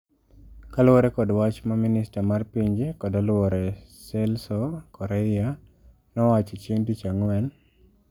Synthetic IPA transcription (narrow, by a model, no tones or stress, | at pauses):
kalwoɾɛkɔdwat͡ʃmamɪnɪstamarpiɲd͡ʒekɔdɔlwɔɾɛsɛlsɔkɔɾɛja | nɔwat͡ʃit͡ʃeŋdit͡ʃaŋwɛn